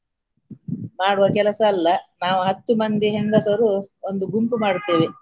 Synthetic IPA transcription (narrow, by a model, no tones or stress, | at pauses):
maːɽuʋɐkɛlɐsɐːlːɐnaːʋuɦɐt̪ːumɐnd̪iɦend̪ɐsɐɾuond̪uɡumpumaːɽut̪ːiːʋi